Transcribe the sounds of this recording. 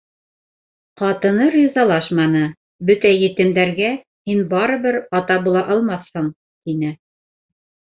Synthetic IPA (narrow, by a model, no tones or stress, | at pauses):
qɑt̪ɤ̆nɤɾʲizɑlˠɑʃmɑnɤ | bɵt̪æjɘ̆t̪ɘ̆md̪æɾɡæ | hinbɑɾɤ̆βɘɾɑt̪ɑbulˠɑʔɑlˠmɑθhɤɴ | t̪inɘ